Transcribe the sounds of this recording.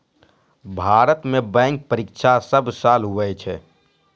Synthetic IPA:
bʱaɾət̪mebɛ̃ŋk̚pəɾikʃʰasəbsalɦuʋɛt͡ʃʰɛ

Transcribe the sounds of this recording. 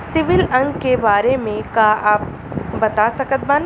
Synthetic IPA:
sɪʋɪlɐ̃ŋɡkebaːɾemẽkaaːp̚ | bɐt̪asɐkət̪̚baːn

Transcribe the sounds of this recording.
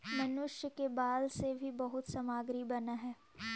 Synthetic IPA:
mɐnʊʃjəkebaːlsebʱibɐɦʊt̪sɐmaːɡɾibɐnaɦɛː

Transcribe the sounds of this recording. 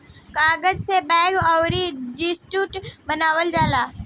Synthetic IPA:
kaːɡəd͡ʒsebɛːɡɔːɾid͡ʒisʈuːʈbənaːʋəld͡ʒaːlaː

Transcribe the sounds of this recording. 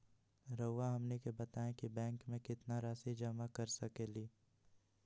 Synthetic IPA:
ɾəʊʋaɦɐmnekebɐt̪aːẽkibɛ̃ːŋkmẽkɪt̪naɾaːsid͡ʒɐmakɐɾsɐkeːliː

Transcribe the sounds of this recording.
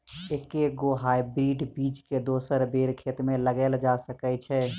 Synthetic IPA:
ekeɡoɦajbɾiɖbid͡ʒked̪osəɾbeɾkʰet̪meləɡɛld͡ʒasəkɛt͡ʃʰɛ

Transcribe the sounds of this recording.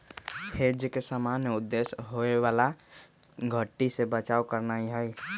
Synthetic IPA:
pʰed͡ʒkesamaːnjeʊd̪ːeːsɦoewaːla | ɡʱəʈːisebət͡ʃaːokəɾnaiɦɛi

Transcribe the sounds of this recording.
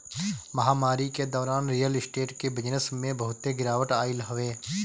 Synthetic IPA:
məɦaːmaːɾiked̪ɔːɾaːnɾijəlɪsʈeːʈkebɪd͡ʒnəsmẽbəɦʊt̪ːeɡɪɾaːʋəʈaːɪlɦʊʋeː

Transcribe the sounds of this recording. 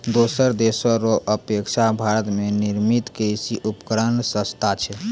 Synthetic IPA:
d̪osəɾd̪esəɾoʔəpekt͡ʃʰabʱaɾət̪meniɾmit̪kejsiʔupkɾənsəst̪ʰat͡ʃʰɛ

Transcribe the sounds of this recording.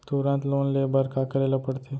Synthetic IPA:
t̪uɾãnt̪lonlebəɾkakəɾeləpəɽt̪e

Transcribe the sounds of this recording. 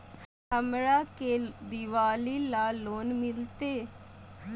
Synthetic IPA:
əmɾaːkeːd̪ɪʋaːliːlaːloːnmɪlt̪eː

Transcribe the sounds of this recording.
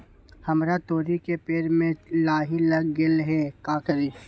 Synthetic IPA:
hɐmɾat̪oːɾikepeːɾmẽlaːɦilɐɡɡɪlɦɛːkaːkəɾi

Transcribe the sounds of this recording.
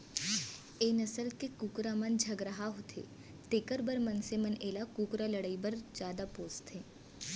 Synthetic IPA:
eːnɐsəlkekuːkɾamɐnd͡ʒʱɐɡɾəɦaɦot̪ʰḛː | t̪ekəɾbəɾmɐnsemɐneːlakuːkɾalɐɽaibɐɾd͡ʒjaːd̪apoːst̪ɦẽː

